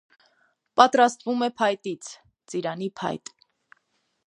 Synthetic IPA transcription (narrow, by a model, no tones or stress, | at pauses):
pɑt̪ɾɑst̪vumɛpʰɑjt̪it͡sʰ | t͡siɾɑnipʰɑ̰jt̪